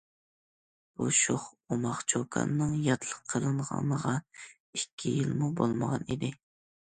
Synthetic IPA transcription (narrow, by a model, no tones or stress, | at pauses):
b̥uʃoχ | umɑχt͡ʃʰokʰɑ̰nːɨŋjɑt̪lˠəqʰːəlˠɨɴʁɑ̰nəʁɑ | ikʲʰːijilmubolˠməʁɑnid̪ɪ